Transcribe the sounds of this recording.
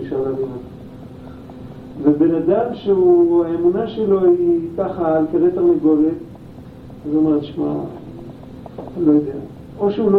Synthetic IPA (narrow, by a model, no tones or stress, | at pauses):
iʃalavina | vebe̞nad̪amʃeuaemunaʃelo̞it̪aχaːlkeʁet̪amiɡolet | azuomeʁt̪ʃma̰ | lo̞jod̪ea | o̞ʃeulo